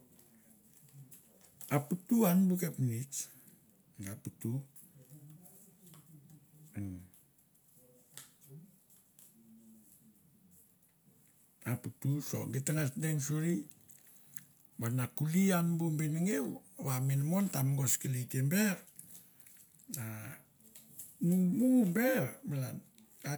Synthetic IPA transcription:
aputuanbukepnit͡ʃ | naputu | aputuso̰ŋɡetaŋasdeŋsuɾi | banakulianbumbeniŋewwaminmontamɡoskilitembeɾ | na | mumuumbeɾmalan | a

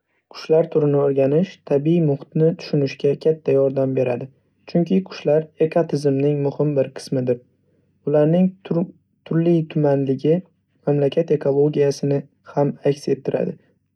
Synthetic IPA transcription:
qʰʊ̥ʃlaɾt̪ʰʊɾɪnɪoɾɡʲanɪʃt̪ʰabiimʊht̪nɪt̪ʰʊ̥ʃʊnɪʃɡʲakʲʰat̪ʰːajɒɾd̪ambe̞ɾa̰d̪ɪ | t͡ʃʰʊŋkʲʰɪqʰʊ̥ʃlaɾe̞kʰot̪ʰɪzɪmnɪŋmʊhɪmbɪɾqʰɨ̥smɪd̪ɪɾ | ʊlaɾnɪŋ | t̪ʰʊɾlit̪ʰʊmanlɪɡʲɪ | mamlakʲʰat̪e̞kʰo̞lˠo̞ɡʲijasɪnɪ | hamakʲse̞t̪ʰːɪɾa̰d̪ɪ

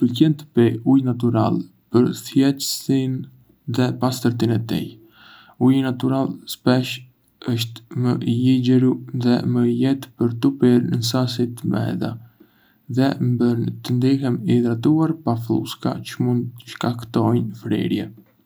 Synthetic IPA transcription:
pəlcɛnt̪əpɛujnat̪̬uɾa̰lˠ | pəɾθjɛt̪əsin | ðɛpast̪əɾt̪inɛt̪ḭ | ujnat̪uɾalˠspɛʃ | əʃt̪məjiɟɛɾuðɛməjɛt̪pəɾt̪upiɾnənsasit̪əmɛ̰ða̰ | ðɛmbənt̪ənd̪ihɛmiðɾat̪̬uaɾpaflṵska̰t͡ʃəmund̪t̪əʃkakt̪ɔjnfɾɛ̰ɾjɛ̰

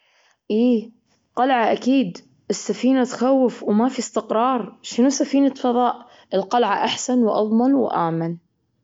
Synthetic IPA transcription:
ʔiː | qɑlʕaʔakiːd̪ | ʔɪsːafiːnat̪xawːɪfwmafist̪ɪqɾˤɑːɾˤʃɪnusafiːnat̪fɑðˤɑːʔ | ɪlqalʕaʔaħsanwʔɑ̰ðˤmanw̰ʔa̰ːman

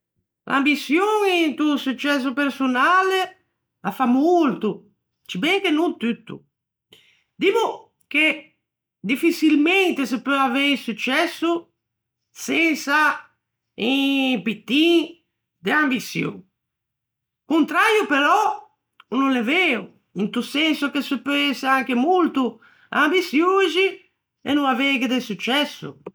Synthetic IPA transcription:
lʔa̰mbisjoŋint̪usut͡ʃːɛs̬ːupeɾsunaːle | afamːuult̪u | t͡ʃibɛŋkenut̪ːyt̪ːṵ | d̪imu | k̟e | d̪ifisilmɛnt̪esepːøavejsut͡ʃːɛsːu | sɛnsa | ĩpit̪ːi | d̪eambisjo̰ | kunt̪ɾaːɾjupɛɾɔ | nunlɛveːu | int̪usːɛnsukesupːɛsaŋk̟emult̪u | a̰mbisjozi | ɛ̰nːuŋaveːɡed̪esut͡ʃːɛsːṵ

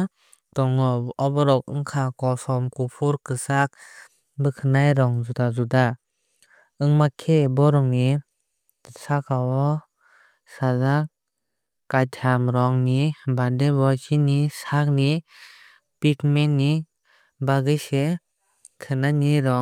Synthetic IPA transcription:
tɔŋɔɔbɔɾɔk̚ɯ̰ŋkʰakɔsɔmkupʰuɾkɯsak̚ | bɯkʰɯnajɾɔŋzutazuda | ɯŋmakʰebɔɾɔŋni | sakawɔ | sazak | kːajtʰamɾɔŋnibadebɔsinisak̚ni | pikmenːi | baɡɯjse | kʰɯnaniɾɔ

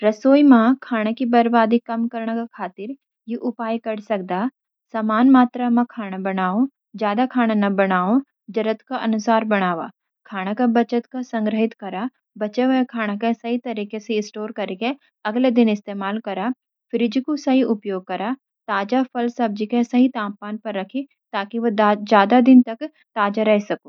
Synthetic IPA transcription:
ɾɐsoːjmãkʰaːɽ̃akibɐɾbaːd̪ikɐmkɐɾɳ̃akakʰaːt̪ɪɾ | jiʔʊpaːjikɐɽsɐk̚d̪a | saːmaːnmaːt̪ɾamãkʰaːɽ̃abɐɽaːõ | d͡ʒjaːd̪akʰaːɽ̃anɐbɐɽ̃aːõ | d͡ʒɐɾət̪kaʔɐnʊsaːɾbɐɽ̃aːʋa̰ | kʰaːɽ̃akabɐt͡ʃət̪kasɐ̃ŋɡɾəɦɪt̪kɐɾa | bɐt͡ʃeʋɐkʰaːɽ̃akẽsɐɦit̪ɐɾiːkeseɪsʈoːɾkɐɾeke | ɐɡled̪ɪnɪst̪eːmaːlkɐɾa | fɪɾɪd͡ʒikosɐɦiʔʊpjoːɡ̚kɐɾa | t̪aːd͡ʒafɐlsɐb̚d͡ʒikẽsɐɦit̪ãːmpaːnpɐɾːɐkʰi | t̪aːkiʋɐad͡ʒjaːd̪ad̪ɪnt̪ɐk | t̪aːd͡ʒaɾɛɦesɐkoː

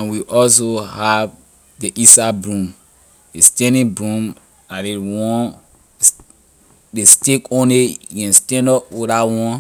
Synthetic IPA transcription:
ãnwiʔɔls̬ohav | deʔisabɹũm | destɛ̃ndĩbɹũm | adewɔ̃n | destekõnliɡɛ̃nstɛ̃ndɔpoɾawɔ̃n

